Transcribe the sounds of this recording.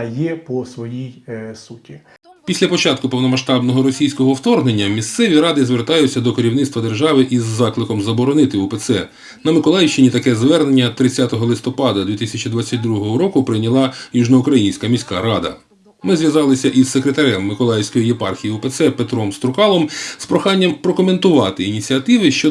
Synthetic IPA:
jɛpɔsʋɔjijsutʲi | pʲisʲlʲɐpɔt͡ʃɑt̪kʊpɔwnɔmɐʃt̪ɑbnɔɦɔɾɔsʲijsʲkɔɦɔːwt̪ɔrɦnenʲːɐmʲist̪sɛʋʲiɾɑd̪ɪzʋert̪ɑjʊt͡sʲːɐd̪ɔkeɾʲiwnɪt̪st̪ʋɐd̪erʒɑʋɪʔizːɑklˠɪkɔmzɐbɔɾɔnɪt̪ɪɔpesɛ | nɐmɪkɔlˠɑjʃt͡ʃɪnʲit̪ɐkɛzʋɛrnenʲːɐt̪ɾɪt͡sʲːat̪ɔɦɔlˠɪst̪ɔpɑd̪ɐd̪ʋʲit̪ɪsʲɐt͡ʃid̪ʋat͡sʲːɐt̚ʲd̪ɾuɦɔɦɔɾɔkʊpɾɪnʲɐlˠɑjuʒnɔʊkɾɐjinʲsʲkɐmʲisʲkaɾɑd̪ɐ̰ | mɪzʋjɐzɑlˠɪsʲɐʔisːekɾet̪ɐɾʲɛmːɪkɔlˠɑjewsʲkɔjijepɑ̰rxʲijiɔpet̪sɛpet̪ɾɔmst̪ɾʊkɑlˠɔmspɾɔxɑnʲːɐmpɾɔkɔme̞nt̪ʊʋɑt̪ɪinʲit͡sʲiɐt̪ɪʋɪʃt͡ʃɔ

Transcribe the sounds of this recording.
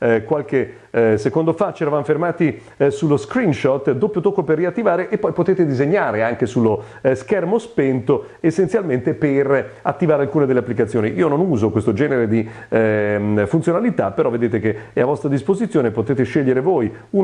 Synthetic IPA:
kwalke | sekond̪ofat͡ʃɛɾavamfermaːt̪i | sulːoskɾinʃɔt̪ːd̪opːjot̪okːoperːiat̪ːivaːɾeʔepːɔjpot̪eːt̪ed̪izeɲːaːɾeaŋkesulːo | skɛrmospent̪o | esːent̪sjalment̪eperat̪ːivaːɾealkuːned̪elːeapːlikat̪sjoːniʔiːononuːzokwest̪od͡ʒɛːneɾed̪i | funt̪jonalit̪apeɾɔved̪eːt̪̬ekeavːɔst̪ɾad̪ispozit̪sːjoːnepot̪eːt̪eʃeʎːeɾevoːj | u

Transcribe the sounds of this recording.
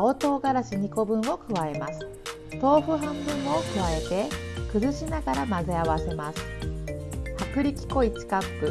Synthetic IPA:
o̞t̪o̞ːɡaɾaɕiɲ̟iko̞bɯ̟̃ɰ̃o̞kɯ̟βae̞masɨ̥ | t̪o̞ːɸɯ̟ɦãmbɯ̟̃ɰ̃o̞kɯ̟βae̞t̪e̞kɯ̟zɨɕinaɡaɾamaze̞aβase̞masɨ̥ | hakɯ̟ɾʲikʲi̥ko̞it͡ɕi̥kapːɯ̟

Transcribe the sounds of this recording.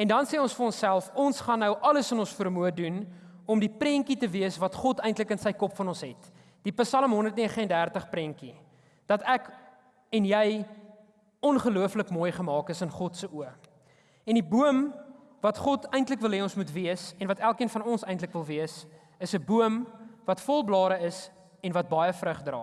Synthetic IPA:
ɛndɐnseːɔnsfəɾɔnsælˠfɔnsχɐnːəwʔɐləsənɔ̃nsfərmuədun | ɔmdipɾɛŋkitəviəsvɐtχɔtəjntləkənsəjkɔpfɐnɔnsɦɛt | d̥ipəsɐləmɦɔndərtniəχəəndærtəχpɾɛŋki | d̥ɐtæk | ɛnjɛj | ɔnχəluəfləkmuːjχəmɑːkəsənχɔtsəʔuə | ɛndibuəm | vɐtχɔtɛjntləkvəlˠɦɛɔnsmutviəsɛnvɐtælˠkiənfɐnɔnsɛjntləkvəlˠviəs | əsəbuəmvɐtfɔlˠblɑːɾəəs | ɛnvɐt̚bɐjəfrəχdrɑ̰ː

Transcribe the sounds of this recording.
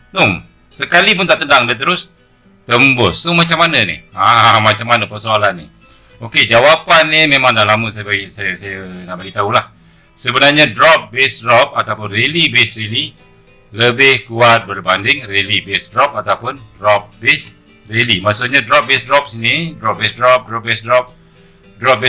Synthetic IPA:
t̪ʊŋ | səkalip̬ʊnt̪aʔt̪əndaŋdət̪̬əɾʊs | t̪əmbʊst̪ʊmat͡ʃamːanənɪ̰amat͡ʃamːanəpərsoalanːɪ̰ | oked͡ʒawapanːɪmemaŋdahlaməsabaisajəsajənaʔbəlit̪aɦulah | səbənarɲadɾɔp̚bɛsdrɔp̚at̪awpʊnrelibesreli | ləbɪhkuat̪̚bərbandɪŋrelibɛsdɾɔp̚at̪awpʊndrɔp̚bɛs | relimaʔsokɲadɾɔp̚bɛsdɾɔp̚snɪhdɾɔp̚bɛsdrɔp̚dɾɔp̚bɛsdɾɔp̚ | dɾɔp̚bɛ

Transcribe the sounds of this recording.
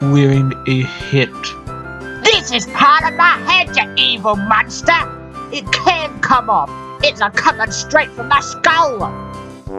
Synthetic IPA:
wɛɹɪ̃ŋɨhɪt | ðɪsɪz̥pʰɑɹɾʌvmaɪhænd͡ʒɨtivəlˠmʌ̃nstə˞ | ɪt̚kʰɨ̃nkʰʌ̃mʌp̚ | ɪtsəkʰʌmə̃ŋstɹ̥eɪtfɹʌ̃mðəskoʊlˠ

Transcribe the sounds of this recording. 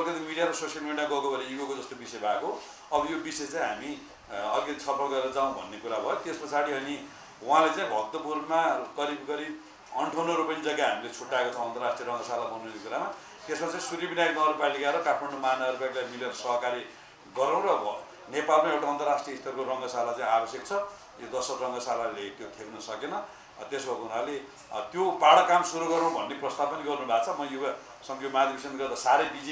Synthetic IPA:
ʌlikʌt̪imiɽijaɾʌsosjʌlmiɽiaɡʌkobʱʌnejuɡokod͡zʌst̪obisʌebʱako | ʌbʌjobisʌet͡sãĩɦami | ʌlikʌt̪isʰʌpʰʌld̪ʌeɾʌd͡zaũbʱʌ̰nːekuɾabʱʌjot̪espʌsaɽiɦʌni | wãlet͡sãĩbʱʌk̚t̪ːʌpurmaɡʌɾibɡʌɾi | ʌɳʈʰonoʌɾupʌnid͡zʌɡːaɦamilet͡sʰuʈːaekot͡sʰw̃ʌnt̪ʌrasʈriʌɾʌ̃ŋɡʌsalabʱʌnuekuɾama | t̪esmat͡sʌĩsuɾibinajknʌɾupalikaeɾʌkatʰmaɳɖomanaʌɾupaklajmileɾʌsʌɦʌkaɾi | ɡʌɾãw̃ɾʌ | nepalmaewʈaʌnt̪ʌrasʈriʌist̪ʰʌrkorʌŋɡʌsalat͡sãĩabʌsjek̚t͡sʰʌ | jod̪ʌsʌkrʌŋɡʌsalalet̪jok̪ʰeknʌsʌkenʌ | t̪esbʱʌkunale | t̪jobaɽʌkamsuɾuɡʌɾãbʱʌnːeprʌst̪abpʌniɡʌrnubʱat͡sʰʌmʌjuba | sʌŋɡʌjomad̪ʱibisʌnɡʌrd̪asaɾejbid͡zi

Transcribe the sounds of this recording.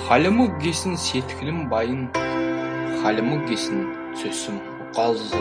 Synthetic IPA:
χɑlʲɪməkɡʲesɪnset̪ɪ̥kʰʲlɪmbɑjən | χɑlʲɪmək̚ɡʲesɪn | sʰɵsɪm | ʊqɑlˠz

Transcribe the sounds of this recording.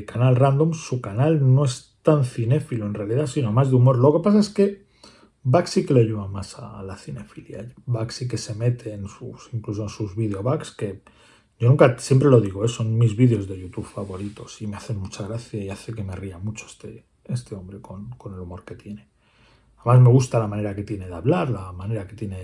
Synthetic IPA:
kanalrand̪omsukanalno̞e̞st̪anθine̞filoe̞nre̞aliðasino̞mazðeumo̞ɾlo̞ke̞pas̬ae̞ske̞ | baksike̞leaʝuβamasalaθine̞filja̰baksike̞se̞me̞t̪ʰe̞ːnsusiŋklus̬o̞ensuzβiðeoβakske̞ | ɟ͡ʝo̞nũŋkasjempɾelo̞ðiɣ̞oesonmizβiðeo̞zðe̞ʝut̪uβfaβo̞ɾit̪o̞sime̞aθe̞mut͡ʃaɣ̞ɾaθjaiaθe̞ke̞meriamut͡ʃoest̪e | e̞st̪e̞o̞mbɾe̞ko̞nko̞ne̞lumo̞ɾke̞t̪je̞ne̞ | aemazme̞ɣ̞ust̪alamãne̞ɾake̞t̪je̞ne̞ðeaβlaɾlamãne̞ɾake̞t̪je̞ne

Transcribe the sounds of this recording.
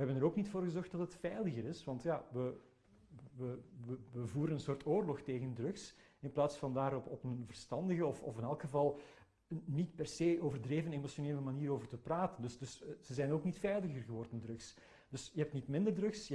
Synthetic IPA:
ʋəɦɛbənəɾoːknitfoːrɣəzɔrxt̚d̥ɑtətfɛjləɣəɾɪsʋɑntjaːʋə | ʋəʋəʋəvuːɾənənsoːrtoːrlɔxteːɣəndrɵks | ɪnplaːtsfɑndaːɾɔpɔpənvərstɑndəɣəɔfɔ̰fɪnɛlˠkxəvɑlˠ | nitpɛrseːʔoːvərdreːvənemosoneːləmaniːɾoːvərtəpraːtəndɵsdɵsz̥əzɛjnoːknitfɛjləɣərɣəʋɔrdəndrɵks | d̥ɵsjəɦɛp̚tnitmɪndərdrɵks

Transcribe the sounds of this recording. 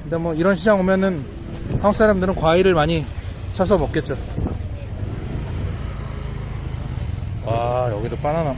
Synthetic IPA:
kɯnde̞mwʌiɾʌnɕʰid͡ʑaŋɦomjʌnɯn | ɸwaŋ̚s͈ʰaɾamdɯɾɯnkwaiɾɯɭmaɲit͡ɕʰas̬ʰʌmʌk͈e̞t̚t͡ɕ͈o | wajʌɡidop͈anana

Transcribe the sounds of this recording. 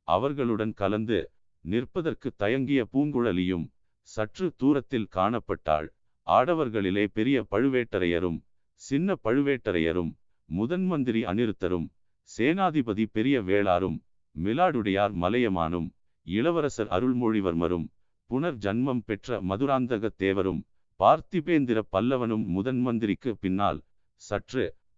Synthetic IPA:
ɐ̰ʋɐɾɣɐɭɯɽɐnkɐlɐnd̪ɯ | nɪrpɐðɐɾkɯt̪ːɐjɐŋɡɪjɐpuːŋɡɯɻɐlɪjɯm | sɐʈrɯt̪uːɾɐt̪ːɪlkaːɳɐpːɐʈːa̰ːɻ | ʔaːɽɐʋɐɾɣɐɭɪleːpɛɾɪjɐpɐɻɯʋeːʈːɐɾɐjɐ̰ɾɯ̰m | sɪnːɐpɐɻɯʋeːʈːɐɾɐjɐ̰ɾɯ̰mː | ʊðɐnmɐnd̪ɪɾiɐ̰nɪɾɯt̪ːɐɾɯm | seːnaːðɪbɐðipɛɾɪjɐʋeːɭaːɾɯmː | ɪlaːɽɯɽɐjaːɾmɐlɐjɐma̰ːnɯ̰m | ɪɭɐʋɐɾɐsɐɾɐ̰ɾɯɭmoːɻɪʋɐɾmɐ̰ɾɯ̰m | pʊɳɐɾd͡ʒɐnmɐmpɛʈrɐ̰mɐðɯɾaːnd̪ɐɣɐt̪ːeːʋɐɾɯm | paːɾt̪ɪbeːnd̪ɪɾɐpːɐlːɐʋɐnɯmːʊðɐnmɐnd̪ɪɾɪkːɯpɪnːa̰ːl | sɐʈrɯ

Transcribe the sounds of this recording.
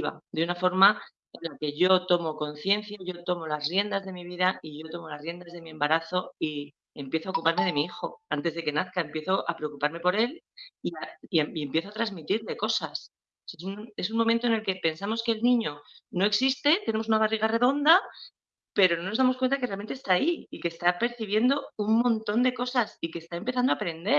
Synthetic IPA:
βa̰d̪eunafo̞ɾma | enlake̞ʝo̞t̪o̞mo̞ko̞n̟θje̞nθjaʝo̞t̪o̞mo̞lasrje̞nd̪azðe̞miβiðaiʝo̞t̪o̞mo̞lazrje̞nd̪azð̞e̞miẽ̞mbaɾaθo̞i | e̞mpje̞θoaokupaɾme̞ð̞e̞miixo̞ant̪e̞zðe̞ke̞naθkae̞mpje̞θo̞ʔapɾe̞o̞kupaɾme̞po̞ɾe̞liaie̞mpje̞θoat̪ɾazmit̪iɾle̞ko̞sas | sesune̞s̬unmoment̪oene̞lke̞pe̞nsamo̞ske̞ːlnĩɲo̞no̞eksist̪e̞t̪ene̞mosunaβariɣ̞are̞ðo̞nd̪a | pe̞ɾo̞nonozðamokwent̪akerealment̪est̪aːiike̞ːst̪ape̞ɾθiβ̞je̞nd̪o̞uŋmõ̞nt̪o̞nd̪e̞ko̞sasike̞ːst̪aempe̞θand̪oapɾe̞nd̪e̞ɾ

